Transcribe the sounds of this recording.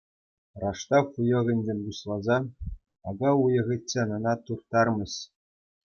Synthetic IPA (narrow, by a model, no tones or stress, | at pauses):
rɑʂt̪ɑχujɤ̆ɣʲɘ̆nʲd͡ʑʲemʲɡuɕlˠɑzɑ | ɑɡɑujɤ̆ʁʲɘ̆tʲːenɤ̆nɑt̪urt̪ɑrmɤ̆ɕ